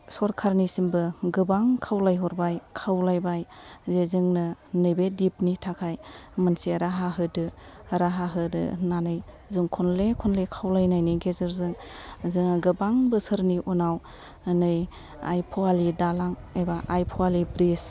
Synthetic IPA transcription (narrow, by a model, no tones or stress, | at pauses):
sɔɾkʰaɾnisimbɯɡɯbaŋkʰawlajɦɔɾbajkʰawlajbajzezɯŋnɯnɯjbedipnitʰakʰajmɯnseɾaɦaɦɯdɯɾaɦaɦɯdɯ̰nanɯj | zɯŋkʰɔnlekʰɔnlekʰawlajnajniɡezɯɾzɯŋzɯŋɡɯbaŋbɯsɯɾniʔunaw | nɯj | a̰jpʰalidalaŋ | ejbaʔajpʰɔwalibɾis